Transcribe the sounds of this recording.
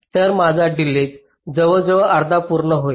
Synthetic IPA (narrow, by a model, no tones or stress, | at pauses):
t̪əɾmad͡zʱaɖilet͡s | d͡zəʋəd͡zəʋəʔaɾd̪ʱapuɾɳəɦoj